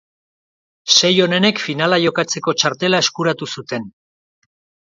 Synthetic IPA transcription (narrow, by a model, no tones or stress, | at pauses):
se̞jo̞ne̞ne̞kfinalaʝo̞kat͡se̞ko̞t͡ʃaɾt̪e̞lae̞skuɾat̪usut̪e̞n